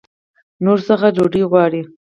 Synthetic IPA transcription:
noɾsəxad͡ʒoɖiɣwɑɽi

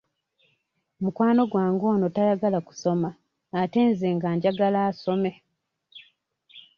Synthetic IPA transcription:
mukwaːno̞ɡwaːŋɡo̞ːno̞tajaɡalaku̥so̞maː | te̞ːnzeːŋɡaːɲɟaɡalaːso̞me̞

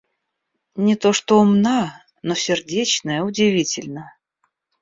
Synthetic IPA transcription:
nʲɪt̪o̞ʂt̪oʊmna | nosʲɪrdʲet͡ɕnəjəʊdʲɪvʲitʲɪlʲnə

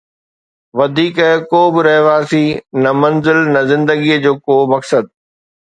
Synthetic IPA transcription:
ʋɐd̪ʱiːkɛɦkoːbɪɾɐɦʋaːsinɐmɐnzɪlnɐzɪ̃nd̪əɡijəd͡ʑoːkoːmɐksəd̪̚

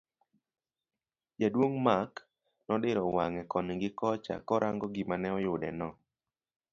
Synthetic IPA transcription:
jadwoŋmak | nɔɗɪɾɔwaŋɛkɔnŋɡɪkɔt͡ʃa̰kɔɾʔaŋɡɔɡimanɛɔjʊdɛ̰nɔ

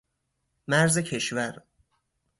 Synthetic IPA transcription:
mæɾze̞cʰe̞ʃvæɾ

